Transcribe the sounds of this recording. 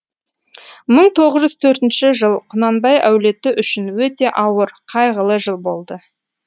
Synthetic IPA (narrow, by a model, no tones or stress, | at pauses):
məɴt̪ʰo̞ʁəzʒʏz̥t̪ʰɵɾt̪ɪnʃɪʒəlˠqʰʊnɑnbɑjʔæwle̞t̪ɪʔʏʃɪnwɵt̪e̞ʔɑwəɾqʰɑjʁəlˠəʒəlˠbo̞lˠd̪ə